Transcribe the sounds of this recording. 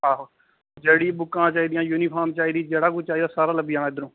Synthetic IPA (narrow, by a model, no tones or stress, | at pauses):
ɦaːɦoː | d͡ʒeːɽiːbʊkːãːt͡ʃaːiːd̪ijãːjuːniːpʰaːmt͡ʃaːiːd̪iːd͡ʒeːɽaːɡut͡ʃaːiːd̪aːsaːɾaːləbjãːnaːɪd̪əɾõː